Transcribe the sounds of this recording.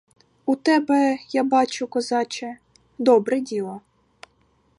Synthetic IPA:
ut̪ɛbɛjabɑt͡ʃʊkɔzɑt͡ʃɛ | d̪ɔbɾɛdʲilˠɔ

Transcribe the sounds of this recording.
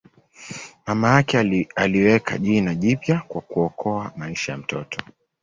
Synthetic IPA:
mamajakɛaliwɛkʰa̰ʄinaʄipjakwakuɔkʰɔamaiʃajam̩tʰɔtʰɔ̥

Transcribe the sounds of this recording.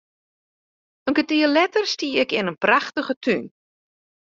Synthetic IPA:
əŋɡətiəlɛtərstiəɛkɪnənpraxtəɣətʰyn

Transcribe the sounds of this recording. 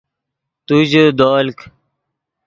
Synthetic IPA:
t̪ud͡ʑod̪oːlk

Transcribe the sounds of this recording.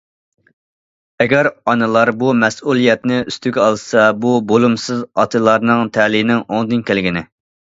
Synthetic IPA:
ɛɡʲɛɾɑnɨlˠɑɾbumɛsulˠijɛt̪nɪyst̪yɡʲɛɑlˠsɑbubolˠumsɨzɑ̰t̪ʰɨlˠɑɾnɨŋt̪ʰɛlinɪŋoŋd̪ɨnkʲʰælɡʲinɪ

